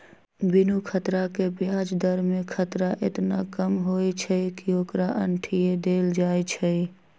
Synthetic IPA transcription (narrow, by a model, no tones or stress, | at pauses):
bɪnukʰət̪ɾakebjad͡ʒd̪əɾmẽkʰət̪ɾaʔɪt̪nakəmɦojt͡ʃʰəkioːkɾaʔə̰ɳʈʰijed̪eːld͡ʒaːjt͡ʃʰɛ